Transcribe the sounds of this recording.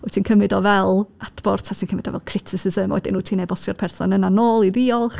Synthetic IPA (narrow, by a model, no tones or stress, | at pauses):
ɔtʰiːnkʰəmɪdɔvɛlˠad̥bɔrtʰatʰiːnkəmɪdɔvɛ̰lˠkʰrɪtʰɪsɪzəmɔ̰ɛdɪ̰nuːtʰiːnevɔsjɔrpʰɛrθɔ̰nənanoːlˠiðiɔlˠχ